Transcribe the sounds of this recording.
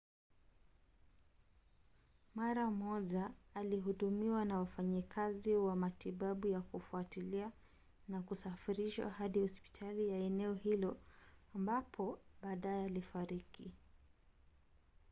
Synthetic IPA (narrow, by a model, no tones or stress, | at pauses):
maɾamɔʄaːliɦuɗumiwanawafaɲikʰaziwamatiɓaɓujakufuatilia | nakusafiɾiʃwa̰haɗihɔspi̥tʰalijaɛnɛɔhilɔambapʰɔɓaːɗajɛalifaɾiki